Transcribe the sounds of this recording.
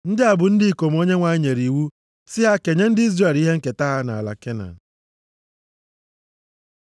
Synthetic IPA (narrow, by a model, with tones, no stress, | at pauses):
n̩˦dɪ˦a˨bʊ˨n̩˦dɪ˦i˨ko˨m̩˦o˦ɲe˦ŋʷa˨˦ɲe˨ɾi˨wu˦ | sɪ˦ɦa˦ke˨ɲe˦n̩˦dɪ˦i˦zre˦˨li˦ɦe˦ŋ̩˦ke˨ta˦ɦa˦na̰˨la̰˨ke˦na̰˨n̩˨